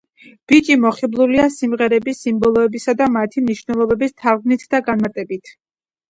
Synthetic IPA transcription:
b̥it͡ʃʼimɔχiblˠuliasimʁɛɾɛbisimbɔlˠɔɛbisad̪amat̪ʰimniʃvnɛlˠɔbɛbist̪ʰavɡnit̪ʰd̪aɡanmaɾt̪ʼɛbit̪ʰ

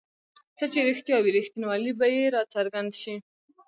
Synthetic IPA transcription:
t͡sət͡ʃeɾixt̪jɑwiɾixt̪inwɑlibajeɾɑt͡saɾɡand̪ʃi

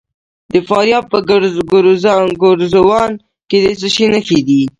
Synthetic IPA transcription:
d̪əfɑɾjɑb̚pəɡɾɡɾɡʊɾzawɑn | ked̪es̬əʃinəxed̪i

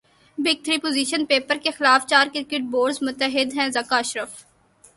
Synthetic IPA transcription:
bɪɡ̚t̪ʰɾiːpoːziːʃənpeːpəɾkexɪlaːft͡ʃaːɾkɪɾɪkeʈ̚boːɾɖzmʊt̪ːəɦɪd̪ɦɛ̃ːzɐkaɐʃɾəf

